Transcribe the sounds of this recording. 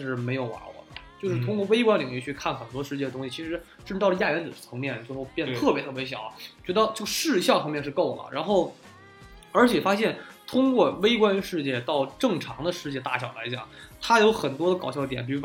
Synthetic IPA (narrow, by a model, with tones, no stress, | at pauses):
ʂɻ̩˥˩me˧˥ɪjo˨˩ʊwa̰˧˥wɔ̰˨˩də˦t͡ɕjo˥˧ʊʂɻ̩˥˩t̪ʰʊ˥ŋkwɔ˥˩we˥ɪkwa˥nli˨˩ŋy˥˧t͡ɕʰy˥˧kʰa˥˩nxə˨˩nt̪wɔ˥ʂɻ̩˥˧t͡ɕjɛ˥˩d̪ə˩t̪ʊ˥ŋɕi˨t͡ɕʰi˧˥ʂɻ̩˧˥ʈ͡ʂɤ˥˩˧ə˩˥ja˥˩ɥɛ˧˥nt͡sɹ̩˨˩˨t͡sʰɤ˧˥ŋmjɛ˥˩n˩t͡swe˥˧xo˥˧ʊpjnət̪ʰɤ˥˩pjɛ˧˥t̪ʰɤ˥˩pjɕ̬jɑ˨˩˦t͡ɕɥɛ˧˥d̪ə˧˥˧t͡ɕjo˥˧ʂɻ̩˥˧ɕ̬jɑ˥˩ʊfʰɑ˥ŋmjɛ˥˧nʂ̬ɻ̩˥˧ko˥˩ʊlə̰˩ɻa˧˥nxo˥˩ʊ | ə˞˧˥t͡ɕʰjɛ˨˩fa˥ɕjɛ˥˩nt̪ʰʊ˥ŋkwɔ˥˧we˥ɪkwa˥nʂɻ̩˥˧t͡ɕjɛ˥˩t̪ɑ˥˧ʊʈ͡ʂɤ˥˩ŋʈ͡ʂʰɑ˧˥ŋd̪ə˧ʂɻ̩˥˧t͡ɕjɛ˥˧t̪a̰˥˩ɕjɑ˨˩ʊla˧˥ɪt͡ɕjɑ̰˨˩˦ŋt̪ʰa˥jo˧˥ʊxə˨˩nt̪wɔ˥d̪ə˧kɑ˨˩ʊɕjɑ˥˩˥t̪jɛ̰˨˧˩np̬u˧˥